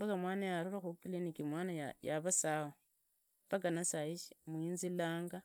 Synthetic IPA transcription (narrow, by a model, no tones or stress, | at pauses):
bakamwaːnajaɾuɾaxukilenikimwaːnajajaβasawo | paɡanasaiʃi̥muinzilaːŋɡa